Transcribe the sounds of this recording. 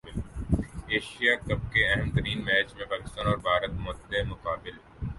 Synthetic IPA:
ɪl | eːʃijakɐb̚keɛɦɛmt̪əɾiːnmɛːt͡ʃmẽpaːkɪ̥st̪ãːnɔːɾbʱaːɾət̪mʊt̪d̪emʊkaːbɪl

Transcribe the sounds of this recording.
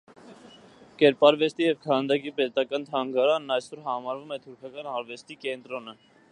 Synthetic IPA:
kɛɾpɑɾvɛst̪ijɛvkʰɑnd̪ɑkipɛt̪ɑkɑnt̪ʰɑŋɡɑɾɑnːɑjsɔɾɦɑmɑɾvumɛt̪ʰuɾkʰɑkɑnɑɾvɛst̪ikɛnt̪ɾɔnə

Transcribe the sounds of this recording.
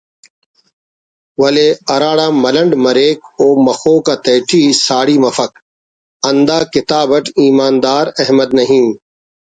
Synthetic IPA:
ʋɐleːɐɾaːɽaːmɐləɳɖməɾeːkoːmɐxoːkaːt̪eːʈʰiːsaːɽiːmɐfək̚ | ɐnd̪aːkɪt̪aːbəʈiːmaːnd̪aːɾɐɦməd̪nəɦĩː

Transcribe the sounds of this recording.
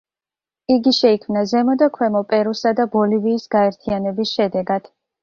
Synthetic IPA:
iɡiʃɛikʰmnazɛmɔd̪akʰwɛmɔpʼɛɾusad̪abɔliviːsɡaɛɾt̪ʰianɛbisʃɛd̪ɛɡad̪̥

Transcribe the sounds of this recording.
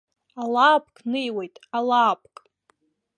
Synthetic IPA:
alaːpʰʼkʼnɨjwe̞jtʼalaːpʰʼkʼ

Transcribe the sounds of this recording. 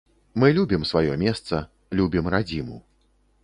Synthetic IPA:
mɨlʲubʲimsvajɔmʲɛst̪sɐ | lʲubʲimɾad͡zʲimṵ

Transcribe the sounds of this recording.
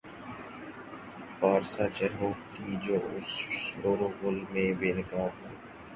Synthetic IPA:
paːɾsaːt͡ʃɛɦɦoːkiːd͡ʒoːʊ̰soːɾoɡʊlmẽːbeːnɪkaːd̪ɦuː

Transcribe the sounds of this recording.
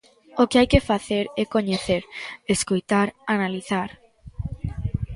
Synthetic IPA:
okeajkefaθeɾɛkoɲeθeɾeskojt̪aɾanaliθaɾ

